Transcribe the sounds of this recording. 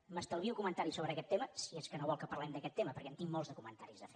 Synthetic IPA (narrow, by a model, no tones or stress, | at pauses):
məst̪əlˠβiukumənt̪aɾisoβɾəkɛt̪ːeməsieskənoβɔlˠkəpəɾlɛmd̪əkɛt̪ːeməpəɾkɛənt̪iŋmolˠzðəkumənt̪aɾizðəfe